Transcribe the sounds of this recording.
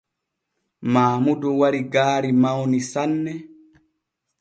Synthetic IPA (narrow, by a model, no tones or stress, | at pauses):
maːmudɔwaɾiɡaːɾimawnisanːɛ